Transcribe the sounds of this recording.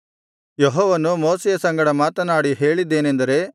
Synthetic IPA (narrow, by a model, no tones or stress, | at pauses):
jeɦɔːʋɐnumoːsejɐsɐŋɡɐɽɐmaːt̪ɐnaːɽiɦe̞ːɭid̪ːe̞ːnend̪ɐɾe̞